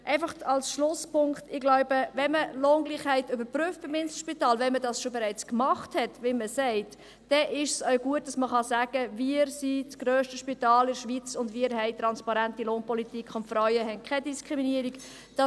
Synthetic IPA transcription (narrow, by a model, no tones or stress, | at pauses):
ʔɛɪfɑχtɑlsʃlʊspʰʊŋktɪɡ̥laʊbəvɛnməloːnɡliχhɛɪtybəɾpryft̚b̥ɪmɪnsl̩ʃpitɑːlvɛnmədɑsʃobɛɾɛɪt͡skmɑχthɛtʋɪlməsɛɪt | d̥ɛʔɪʃsœʊɡuət̚d̥ɑsməχɑsæːɡ̥əviɾsit͡sɡ̥ɾøːʃtəʃpitɑːlɪɾʃʋit͡sʊndʋiːɾɦɛɪt̪ɾɑnspɑɾæntiloːnpɔlitikʰʊnfɾɔɥəɦɛnkʰɛdiskɾiminiəɾik | d̥ɑ